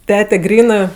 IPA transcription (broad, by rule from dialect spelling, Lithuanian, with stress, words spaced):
ˈtʲæːtʲɛ ˈɡrʲiːnɜ